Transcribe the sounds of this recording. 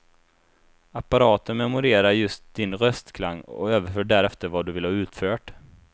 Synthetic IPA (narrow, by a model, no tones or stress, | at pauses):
apːaɾɑːt̪ənmɛmʊɾeːɾaɾjɵst̪̚d̪̥ɪnɾœst̪kʰlaŋːɔ̰øːvəɾfœːɖæɾɛft̪əɾvad̪ɵvɪlhɑːʉ̟ːt̪føːʈ